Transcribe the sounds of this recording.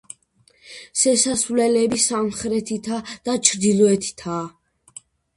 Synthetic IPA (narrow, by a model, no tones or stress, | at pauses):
ʃɛsasvlɛlɛbisamχɾɛt̪ʰit̪ʰad̪̥at͡ʃʰɾd̪ilɔɛt̪ʰi̥t̪ʰa